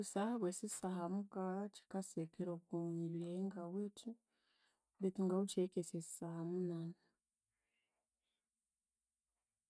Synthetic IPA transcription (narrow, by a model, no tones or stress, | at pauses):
usahaβwesisaɦamukat͡ʃi̥kasekeɾokumileŋɡawetʰi | betuŋɡaut͡ʃekesesi̥sahamunana